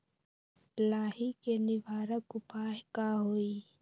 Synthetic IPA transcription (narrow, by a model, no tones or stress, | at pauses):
lahikenibʱaɾəkupʰakaɦuj